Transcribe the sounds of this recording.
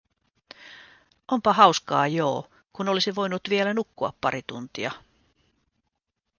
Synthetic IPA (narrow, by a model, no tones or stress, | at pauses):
ʔo̞mpɑɦɑwskɑːjoː | kuno̞lisiʋo̞jnut̪ʋielænukːuɑ̰pːɑɾit̪ṵnt̪iɑ